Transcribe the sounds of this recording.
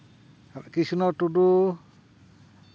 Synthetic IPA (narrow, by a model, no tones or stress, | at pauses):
kisunɔʈudu